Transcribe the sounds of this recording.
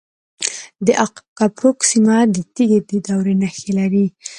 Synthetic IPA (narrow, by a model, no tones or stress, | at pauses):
d̪əʔakapɾoksimad̪ət̪iɡed̪əd̪awɾenaxelaɾi